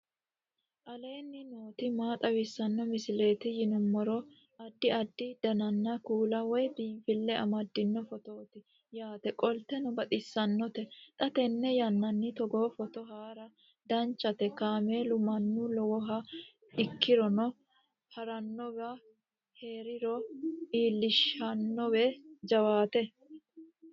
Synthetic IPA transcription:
ʔɐle̞ːnːɪno̞ːt̪ɪmaːt̪ʼɐwɪsːɐnːɔmɪsɪle̞ːt̪ɪjɪnʊmːɔɾɔ | ɐd̪ːɪɐd̪ːɪd̪̥ɐnɐnːɐkuːlɐwɔjbiːbɪlːɛɐmɐd̪ːɪnːɔfɔt̪oːt̪ɪ | jaːt̪ɛkʼɔlt̪ɛnʊbɐt̪ʼɪsːɐnːɔt̪ɛt̪ʼɐt̪ɛnːɛjɐnːɐnːɪt̪ɔɡoːfɔt̪ɔɦaːɾɐ | d̪ɐnt͡ʃːɐt̪ɛkaːmeːlʊmɐnːulɔwɔɦɐ | ɪkːɪɾɔnɔ | hɐɾɐnːɔbɐ | heːɾɪɾɔiːlːɪʃɐnːɔwɛd͡ʒɐwaːt̪ɛ

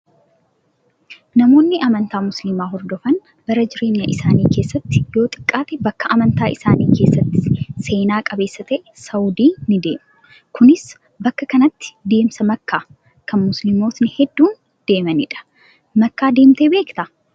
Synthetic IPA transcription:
nɐmo̞ːnːɪʔɐmɐnt̪aːmʊslɪmaːɦɔɾd̪ɔfɐn | bɐɾɐd͡ʒɪɾeːɲːɐʔɪsaːniːke̞ːsːɐt̪ːɪjo̞ːt̪ʼɪ̥kʼːaːt̪ɛbɐkːɐʔɐmɐnt̪aːʔɪsaːniːke̞ːsːɐt̪ːɪ̥se̞ːnaːkʼɐbe̞ːsːɐt̪ɛʔsɐwd̪iːnɪd̪e̞ːmʊ | kʊnɪs | bɐkːɐkɐnɐt̪ːɪ̥d̪e̞ːmsɐmɐkːaː | kɐnmʊslɪmo̞ːt̪nɪhɛd̪ːuːn | d̪̥e̞ːmɐnɪᶑɐ̥ | mɐkːaːd̪e̞ːmt̪eːbe̞ːkt̪ɐ

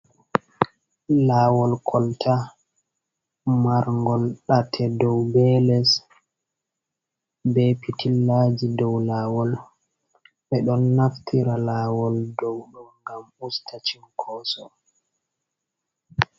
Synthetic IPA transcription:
laːwɔlkʰɔltʰa | maɾŋɡɔlɗatʰɛdɔwbɛlɛs | bɛpitilːad͡ʒidɔwlaːwɔl | ɓɛɗɔnːaftʰiɾalaːwɔldɔwɗumɡamustʰat͡ʃiŋkʰɔsɔ

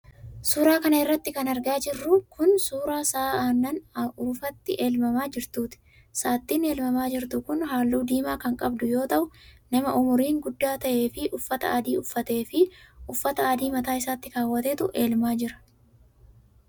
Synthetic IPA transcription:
suːɾaːkɐnɐɪrːɐt̪ːɪkɐnɐɾɡaːd͡ʒɪrːʊkʰʊnsuːɾaːsaːaːnːɐnʊfɐt̪ːɪʔe̞ːlmɐmaːd͡ʒɪɾt̪uːt̪ɪ̥ | saːt̪ːiːne̞ːlmɐmaːd͡ʒɪɾt̪ʊkʊnɦaːlːuːd̪iːmaːkɐŋkʼɐbd̪ʊjo̞ːt̪ɐʔʊnɐmɐʔʊmʊɾiːŋɡʊd̪ːaːt̪ɐʔe̞ːfɪʔʊfːɐt̪ɐaːd̪iːʊfːɐt̪e̞ːfɪʊfːɐt̪ɐaːd̪iːmɐt̪aːɪsaːt̪ːɪkaːwːɐt̪eːt̪ʊʔeːlmaːd͡ʒɪɾɐ̥

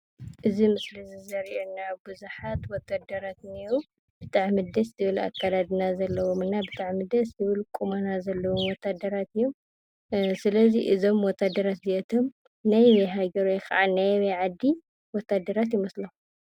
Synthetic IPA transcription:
ʔɨzimɨslizizɐɾʔenːabɨzuħat̪wɔt̪ʰːad̪ɐɾat̪niɾu | b̥ɨt̪ʼaʕmɨd̪ɐszɨβɨla̰kʰːad̪ad̪nazɐlːɐwomɨnːabɨt̪ʰʼaʕmɨd̪ɐszɨβɨlkʼumɐnazɐlːɐwomwɔt̪ʰːad̪ːɐɾat̪ɨjːu | sɨlɐziʔɨzo̞mwɔt̪ʰːad̪ːɐɾat̪ziʔɛt̪ʰom | najwɦaɡɐɾojxɐ̰ʕanajweʕad̪ːi | wɔt̪ʰːad̪ːɐɾat̪jɪmɐslɐ

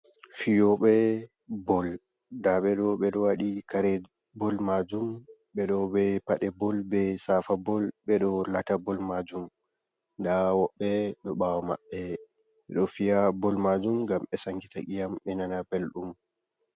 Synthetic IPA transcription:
fijɔɓɛ | bɔl | daɓɛɗɔɓɛɗɔwaɗikaɾɛ | bɔlmad͡ʒumɓɛɗɔbɛpaɗɛbɔlbɛsafabɔlɓɛɗɔlatabɔlmad͡ʒum | dawɔɓːɛɗɔɓawɔma̰ɓːɛ | ɓɛɗɔfijabɔlmad͡ʒumɡamɓɛsaŋɡitaɡijamɛnanapɛlɗum

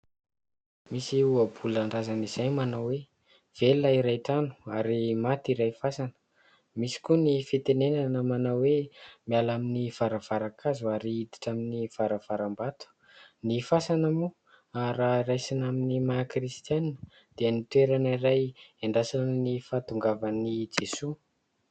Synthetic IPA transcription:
misiuabulaɳɖ͡ʐazaniz̥ajmanawwe | v̥elːaiɾajʈ͡ʂanu̥aɾimat̪iɾajfasanə̥ | misi̥kunifit̪enenanəmanawwemialaminiv̥aɾav̥aɾakʰazuaɾiid̪i̥ʈ͡ʂaminiv̥aɾav̥aɾambat̪u̥ | nifasanamu | aɾarajsinaminimakɾist̪janinə | d̪̥iənit̪weɾaniɾajeɳɖ͡ʐasannifat̪uŋɡavanid͡zesu

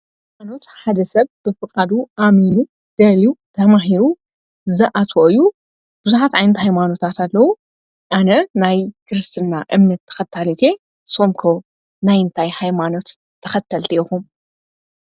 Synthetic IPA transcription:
hajmano̞t̪ħad̪ɐsɐβb̥ɨfɨkʼad̪uʔaminu | d̪̥ɐliut̪ʰɐmaɦiɾu | zɨʔat̪ʰwoɨjːu | b̥ɨzuħat̪ʕajnɐt̪hajmano̞t̪ʰat̪alːɐwu | ʔanɐnajkʰɨɾɨst̪ʰɨnːaʔɨmnɐt̪ʰːɐ̥xɐt̪ʰːalit̪ʰe̞ | so̞mkʰo̞ | najɨnt̪ʰajhajmano̞t̪ʰː | ɐxɐt̪ʰːɐlt̪ʰiʔixum

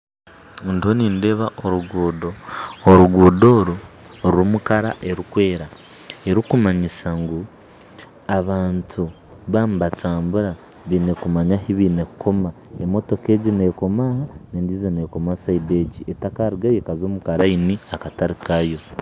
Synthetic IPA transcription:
ndihoniːnde̞ːβaʔoɾuɡudooɾuɡuːdo̞ːɾuɾuɾumukaɾa̰ʔe̞ɾikwe̞ːɾa | e̞ɾikumaɲisaŋɡu | aβaːntʰu | βaːmuβatʰaːmbuɾa | βine̞kumaɲahiβiːne̞kkʰo̞maemo̞to̞ke̞ɟine̞ko̞mahaneːndizoneko̞masaide̞cietakaɾiɡajekazo̞ːmukaɾainiakataɾikajo̞

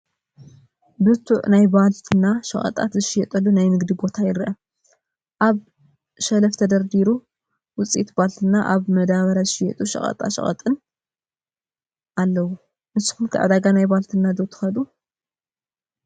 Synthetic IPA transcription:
bɨt̪ʰuʕnajbalt̪ʰɨnːaʃɐ̰χʼɐ̰t̪ʼa̰t̪zɨʃɪjɛt̪ʼɐlːunajnɨɡd̪ibo̞t̪ʰajɪɾʔɐ | ʔaβ | ʃɐlɐft̪ʰɐd̪ɐɾd̪iɾu | wʊt͡sʼit̪balt̪ʰɨnːaʔaβmɐd̪aβɐɾazɨʃɪjɛ̰t̪ʼuʃɐ̰χʼɐ̰t̪ʼa̰ʃɐ̰χʼɐ̰t̪ʼɨn | ʔalːɐwu | mɨsɨ̥xunkʰɨʕɨ̰d̪aɡanajbalt̪ʰɨnːad̪ot̪ʰɨ̥xɐd̪u

